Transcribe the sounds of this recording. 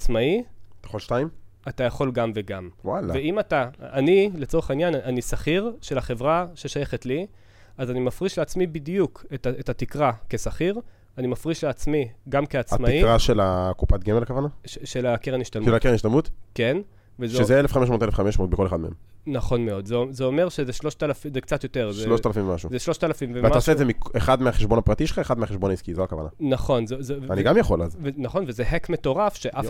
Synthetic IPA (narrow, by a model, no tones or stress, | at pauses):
at͡smait̪ajaχolʃtaim | atajaχo̞lɡamve̞ɡamwalaveimataːnile̞t͡so̞ʁeχainjananisaχiʁʃe̞laχe̞vʁaʃe̞ʃaje̞χetli | azanimafʁiʃleat͡smibidjukʰetetatikʁake̞saχiʁ | animafʁiʃleat͡smiɡamkeat͡samaiikʁaʃelakupat̪̚ɡemelakavanaʃeʃelakeʁeniʃt̪almakeʁeniʃtalmut̪ke̞n | vezʃeezeelefχameʃmot̪elefχameʃmoːt̪̚beko̞leχad̪mehemnaχo̞nmeo̞d̪zeozeome̞ʁʃezeʃloʃtalafizekt͡sat̪jo̞teʁzeʃloʃtalafimvemaʃuzeʃloʃtalafimveveatmaosezemikeχad̪meaχeʃbo̞napʁat̪iʃelχaeχad̪meaχeʃbonaiskizoakava̰na̰naχo̞nzezevaniɡamjaχo̞lazvenaχo̞nvezeɦekme̞to̞ʁafʃeʔa